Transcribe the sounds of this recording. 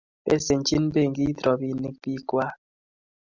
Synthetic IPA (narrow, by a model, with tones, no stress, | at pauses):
bḛ˦se˨n˨˦t͡ʃi˦n˦be˦˨ŋ̩˦ɡi˦tɾɔ˨bi˦ni˦k̚bi˦kwa˦